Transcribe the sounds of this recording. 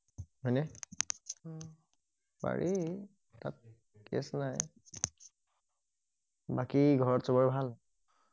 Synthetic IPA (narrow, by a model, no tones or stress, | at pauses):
ɦɔjnɛ | ba̰ɹʔi | ta̰t̚ | kḛsnaj | bakiɡʱɔɹɔtsɔbɔɹbʱal